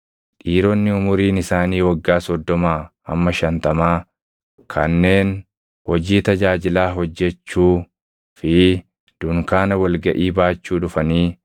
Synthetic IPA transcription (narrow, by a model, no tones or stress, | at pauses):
ᶑiːɾɔnːɪʊmʊɾiːnɪsaːniːwɐɡːaːsɔd̪ːɔmaː | ɐ̰mːɐʃɐnt̪ɐmaː | kʰɐ̰nːe̞ːn | hɔd͡ʒiːt̪ɐd͡ʒaːd͡ʒɪlaːɦɔd͡ʒːɛt͡ʃːuː | fɪ | d̪̥ʊŋkaːnɐwɐlɡɐʔiːbaːt͡ʃːuːᶑʊfɐniː